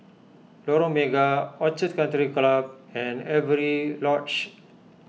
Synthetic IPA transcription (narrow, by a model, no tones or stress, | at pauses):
loɾõmeɡaɔt͡ʃɪt̪kə̃nt̪ɾiklab̚ɛ̃neʋɾilɔt͡ʃ